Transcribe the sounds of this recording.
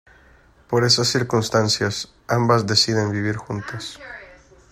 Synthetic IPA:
po̞ɾe̞sasːiɾkunst̪ansjas | ambazd̪e̞siðe̞nbiβ̞iɾxunt̪as

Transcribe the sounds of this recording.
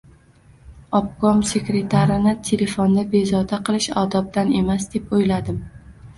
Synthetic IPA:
ɒp̚kɒmse̞kɾe̞t̪ʰaɾɪnɪt̪ʰe̞le̞fond̪abe̞zɒd̪aqʰɨlˠɪʃɒd̪ɒb̚d̪ane̞masd̪e̞pojlad̪ɪm

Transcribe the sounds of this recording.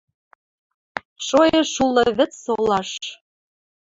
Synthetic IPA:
ʃojɤ̆ʃulːɤ̆βɘ̆t͡sːolɑʃ

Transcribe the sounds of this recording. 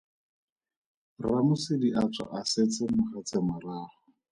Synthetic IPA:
ramʊsɪdiʔat͡sʰa̰ʔaset͡sɪmʊχat͡sɪmʊraːχɔ

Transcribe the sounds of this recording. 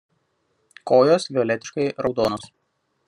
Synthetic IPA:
koːjoːsʋʲɪɔːlʲɛt̪ʲɪ̥ʃkɐɪɾɒʊd̪oːnoːs

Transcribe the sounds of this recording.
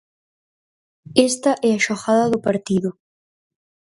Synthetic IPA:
est̪ɐʔɛaʃoxaðɐðʊpaɾt̪iðʊ

